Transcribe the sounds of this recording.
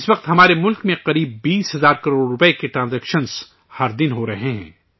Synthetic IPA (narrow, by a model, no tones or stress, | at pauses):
ɪsʋɐq̚t̪ɦɐmaːɾemʊlkmẽqɐɾiːbːiːsɦɐzaːɾkɐɾoːɽɾʊpekeʈɾãːnzɛːkʃəns | hɐɾd̪ɪnɦoɾɐɦeɦɛ̰̃ː